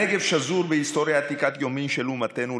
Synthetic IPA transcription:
eɡevʃazuɾbeist̪o̞ɾjat̪ikat̪jomimʃelumat̪enu

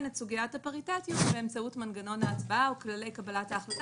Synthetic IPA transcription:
nesuɡijatapaʁitatjotbeːmt͡sautmanɡano̞naːt͡sbaauklale̞jkabalataːχlat

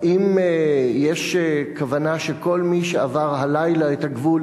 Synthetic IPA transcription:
ʔimjeʃekavanaʃeko̞lmiʃeavaʁɦalajlaet̪haɡvul

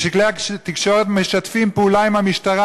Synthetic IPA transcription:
ʃiklejat̪ikʃoʁet̪meʃat̪fimpeuːlaimhamiʃt̪aʁa

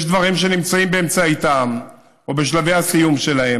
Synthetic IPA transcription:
ʃd̪vaʁimʃ̬e̞nimt͡saimbe̞ːmt͡sait̪am | obeʃ̬lave̞jhasijumʃe̞lae

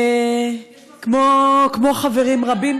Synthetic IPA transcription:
kmokmoχaveʁimʁabim

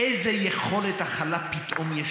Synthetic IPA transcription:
ejzejeχolet̪aχalapit̪ʔomjɛʃ

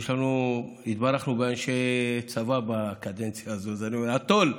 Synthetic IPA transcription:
ʃlanu | it̪baɾaχnubeanʃet͡savabakad̪ent͡sjaːzozeanuat̪ol

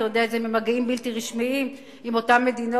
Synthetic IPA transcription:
jod̪eaetzememaɡiimbilt̪iʁiʃmiim | imo̞tamːe̞d̪ino

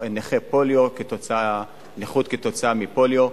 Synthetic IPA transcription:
eneχepoljoket̪ot͡saa | neχut̪̚ket̪o̞t͡saamipoljo

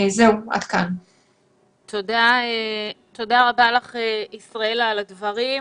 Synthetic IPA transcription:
zeua̰d̪kan | t̪ʰodaet̪o̞daʁabalaχeisʁae̞laːladvɐʁi

